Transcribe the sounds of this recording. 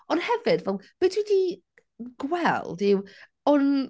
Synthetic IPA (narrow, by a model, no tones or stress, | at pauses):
ɔnhɛvɪdvɛlˠvɨdwidi | ɡ̥wɛlˠdɪw | ɔn